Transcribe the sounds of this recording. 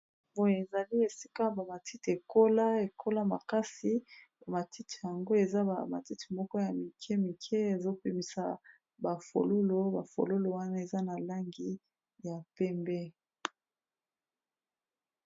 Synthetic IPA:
bo˦je˨e˨za˨li˦e˨si̥˦ka˦ba˨ma˨ti˦ti˨e˨ko˦la˦e˨kʰo˦la˦ma̰˨ka˦si˦ba˨ma˨ti˦ti̥˨ja˨ŋɡo˦e˨za˦ba˨ma̰˨ti˦ti̥˨mɔ˦kɔ˦ja˨mi˨kʰɛ˦mi˨kʰɛ˦e˨zo˦pi˨mi˨sa˨ | ba˨fo̰˨lo˦lo˦ba˨fo̰˨lo˦lo˨wa˦na˦e˨za˦na˨la˦ŋɡi˦ | ja˨pɛ˦mbɛ˦

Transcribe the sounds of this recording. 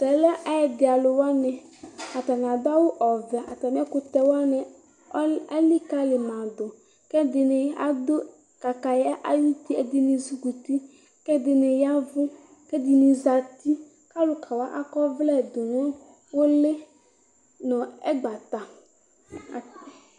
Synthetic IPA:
tɛ˨lɛ˦ʔa˨jɛ˨d̪ɪ˨a˨lʊ˨wa˦nɪ˨ | a˨t̪a˨n˨a˨d̪a˦wʊ˦ʔɔ˨vɛ˨ʔa˨ta˨m˦ɛ˦kʊ˦t̪ɛ˨wa˦nɪ˨˦ | a˦li˦ka˦lɪ˨mã˨d̪ʊ˨ | kɛ˦d̪ɪ˨nɪ˨jʔa˦d̪ʊ˦ | ka˨ka˨ja˦ʔa˦ji˦t̪i˦ɛ˨d̪ɪ˨nɪ˨zu˦ɡu˨t̪i˦ | kɛ˦d̪ɪ˨nɪ˨ja˦vʊ˦ | kɛ˦˨dɪ˨nɪ˨za˨t̪i˦ | ka˦lʊ˨kʰa˨wa˦ʔa̰˦kɔ˦vlɛ˦˨d̪ʊ˨nʊ˦ | wo˦lɪ˦ | nɔ̃˨ɛ˦ɡ͡ba˨t̪a˨

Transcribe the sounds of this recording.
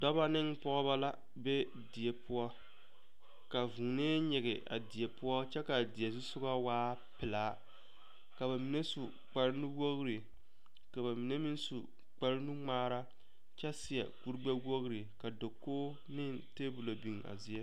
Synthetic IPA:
dɔ˦ba˦nɪ˦ŋpɔ˦ɣɔ˦ba˦la˦ | be˦ | di˨je˨pʰʊ˦ɔ˦ | ka˨vu˨ŋ˨neː˦ɲɛ˨ɣɪ˨a̰˨di˨ɛ˨pʊ˦ɔ˦t͡ʃɛ˦ka˨dɪ˨ɛ˨s̬u˦sʊ˦ɡa˦waː˦pɪ˨laː˦ | ka˨βa˨mi˨ne˦su˨ | k͡pa˨ɾɪ˦nu˦wo˦ɣɾi˨ | ka˨ba˨mi˨ne˦mi˦n˦su˨ | k͡pa˦ɾnu˦ŋ͡maː˦ɾa˦ | t͡ʃɛ˦sɪ˨a̰˨ku˦ɾɡ͡ba˦ɡo˦ɣɾi˨ka˨do˨kːoː˦ | nɪ˦ŋ | teː˦bʊ˨lo˨bi˨ŋ˨a̰˨zi˦jɛ˦

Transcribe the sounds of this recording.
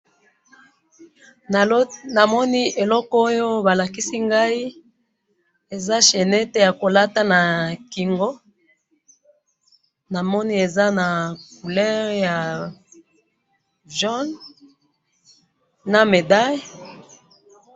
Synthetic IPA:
na˨mɔ˦ni˦ʔe˨lɔ˦ko˦jo˦ba˨la˨ki˦si˦ŋɡa˦i˦ | e˨za˦ʃe˨nɛ˦te˦ja˨ko˨la˦ta˦na˨ki˨ŋɡo˦ | na˨mɔ˦ni˦e˨za˦na˨k̚u˨lɛ˦ʁja˨ | ʒɔ˦n | a˨me˨da˦j

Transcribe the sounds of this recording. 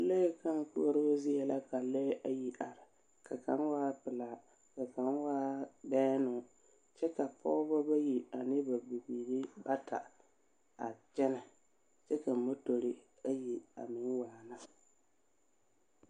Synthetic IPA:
lɛ˦ka˦ŋ˨ku˦ɔ˦ɾo˦zɪ˦jɛ˨la˦ka˨lɛ˦ʔa˨ji˨ʔa˨ɾɪ˨ | ka˨ka̰˨˦nwaː˦pɪ˨laː˨˦ | ka˨ka˨˦nwaː˦bɛː˦nʊ˨ | t͡ʃɛ˦ka˨pɔ̰˦ba˦ba˦ji˨a˨nɪ˦ba˨bi˨biː˨ɾi˦ba˦tʰa̰˨ | a̰˨t͡ʃɛ˦na˨ | t͡ʃɛ˦ka˨mo˦to˨ɾɪ˦ | a˦ji˨a̰˨mɪ˨˦waː˨na˦

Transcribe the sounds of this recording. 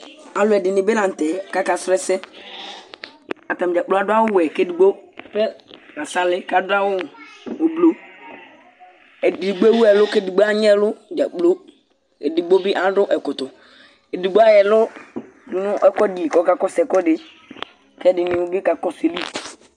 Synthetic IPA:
ã˨˦lʊ˦ɛ˨dɪ˨nɪ˨be˦nã˨n̩˨tɛ˨ka˦ka˨sɾɛ˦sɛ˦ | a˨ta˨m˨d͡ʒa˨k͡plo˦a˦dʊ˦a˦wʊ˦ɛ˨ke˦di˨ɡ͡bo˦pɛ˦ka˨sa˦lɪ˦ka˨da˦wʊ˦˨o˨blo˦ | ɛ˨di˨ɡ͡bɛ˦wu˦ɛ˨lʊ˦ke˦di˨ɡ͡bo˦a˦ɲ˦ɛ˦lʊ˦d͡ʒa˨k͡plo˦ | ɛ̰˨di˨ɡ͡bo˦bɪ˦ʔã˦dʊ˦ʔɛ˨kʊ˨tʊ˨ | ɛ˨di˨ɡ͡bo˦a˦jɛ˨lʊ˦ | dʊ˨nʊ̃˦ʔɛ˦kɔ˦di˨kɔ˦ka˨kɔ˦sɛ˨kɔ˦dɪ˨ | kɛ˦dɪ˨nɪ˨˦ɡɪ˦ka˨kɔ˦se˨li˦

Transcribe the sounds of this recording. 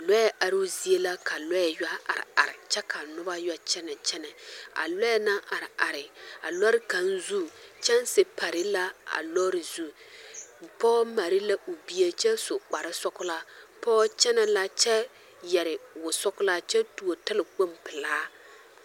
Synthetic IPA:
lɔ˦ɛ˦ʔa˨ɾɪ˦zi˦e˦la˦ka˨lɔ˦ɛ˨ja˦a̰˨ɾɪ̰˨a̰˨ɾɪ˨t͡ʃɛ˦ka˨nʊ˦ba˦ja˦t͡ʃɛ˦nɛ˨t͡ʃɛ˦nɛ˨a̰˨lɔ˦ɛ˦na˦ʔa˨ɾɪ˨a˨ɾɪ˨a̰˨lɔ˦ɾɪ˦ka˨nzu˦t͡ʃɛ˦nsɪ˦pa˨ɾɪ˦la˦a̰˨lɔ˦ɾɪ˨zu˦ | pɔː˦ma˨ɾɪ˦la˦ʔu˨bi˦e˦t͡ʃɛ˦sʊ˨k͡pa˨ɾɪ˦sɔ˦kʊ˦la˦pɔː˦t͡ʃɛ˦nɛ˨la˦t͡ʃɛ˦ | jɛ˨ɾɪ˨wʊ˨sɔ˦kʊ˦la˦t͡ʃɛ˦tu˨o˨tɪ˦lɪ˨k͡po˦mpɪ˨laː˦

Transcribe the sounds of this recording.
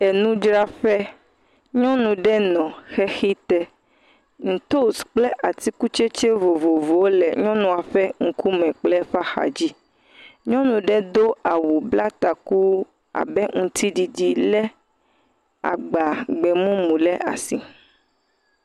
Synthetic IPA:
e˨nũ˦d͡ʒɾa˦ɸɛ˦ | ɲɔ̃˦nũ˨ɖɛ˦nɔ̃˨xɛ˦xi˦t̪ɛ˦ | ŋ̩˨t̪o˦sk͡plɛ˦ʔa˨t̪i˦ku˦t͡ʃe˦t͡ʃe˦vo˨vo˨vo˨wo˦lɛ˨ɲɔ̃˦nũ˨a˨ɸɛ˦ŋ̩˦ku˦mɛ̃˨k͡plɛ˦ɸa˦xa̰˨d͡ʑi˦ | ɲɔ̃˦nũ˨ɖɛ˦d̪o˦a˨wu˨bla˦t̪a˨ku˦ | a̰˨bɛ˦ŋũ˦t̪i˦di˨di˦lɛ˦ | a̰˨ɡ͡ba˨ɡ͡bɛ˨mõ˦mũ˨lɛ˦ʔa̰˨si˨

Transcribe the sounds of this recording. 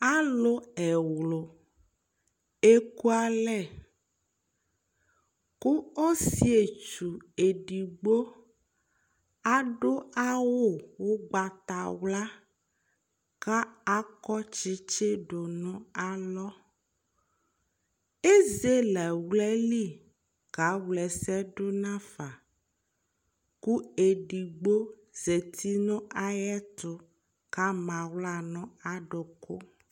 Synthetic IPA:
a˦lo˦ɛ˨wlo˨ | e˦ku˦a˦lɛ˦˨ | ko˦o˦si˦e˨t͡ʃu˨e˨ɖi˨ɡ͡bo˦ | a˦ɖo˦a˦wo˦˨wo˦ɡ͡ba˨t̪a˨wla˦ | ka˦a˦kɔ˦t͡ʃi˦t͡ʃe˦ɖo˨nɔ̃˦a˨lɔ˦ | e˦ze˦lɛ˨wlɛ˦li˦˨ | ɡ̥a˨˦wlɛ˨sɛ˦ɖo˦nã˦fa˨ | ku˦e˨ɖi˨ɡ͡bo˦ | ze˨t̪ʰi˦nɔ̃˦ʔa˦jɛ˦t̪ʊ˦ | ka˦mã˨wla˦˨nɔ̃˦a˨ɖo˨kʰo˦

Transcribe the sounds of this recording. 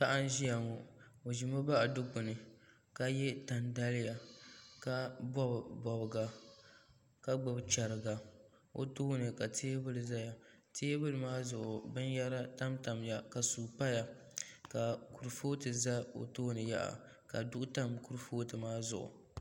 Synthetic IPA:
pa˦ʔa˦n˦ʒi˦ja˨ŋɔ˨ | o˨ʒi˨mo˦ba˦ʔa˨dʊ˦kʊ˨nɨ˨ | ka˦jɛ˦ta˨nda˦lɪ˦ja˨ka˦bɔ˦bbɔ˨bɨ˨ɡa˨ | ka˦ɡ͡bʊ˨bt͡ʃa˨ɾɨ˨ɡa˨ | o̰˨toː˦nɨ˨ka˨tʰeː˦bɨ˦lɨ˨za˦ja˨teː˦bɨ˦lɨ˨maː˦zʊ˨ʔʊ˨bɨ˦nja˦ɾa˦ta˦mta˨mja˨ka˨suː˨pa˦ja˨ | ka˨ku˨ɾfoː˦tɨ˨za˦o̰˨toː˦nɨ˨ja̰˦ʔa̰˨ | ka̰˨dʊ˦ʔʊ˦ta˦mku˦ɾfoː˦tɨ˨maː˦zʊ̰˨ʔʊ̰˨

